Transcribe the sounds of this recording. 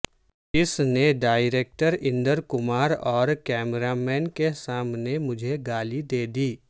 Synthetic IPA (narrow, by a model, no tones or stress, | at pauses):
ɪsneɖaːɪɾeːk̚ʈəɾɪ̃nd̪əɾkʊmaːɾɔːɾkɛːmɾamɛːnkesaːmnemʊd͡ʒʱeɡaːlid̪eːd̪iː